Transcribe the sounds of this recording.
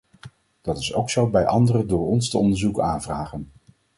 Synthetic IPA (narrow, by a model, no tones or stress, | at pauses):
d̥ɑtɪsowksowbɛjʔɑ̰ndərədʊːɹɔnstəɔndəɹzukaːnvraːχən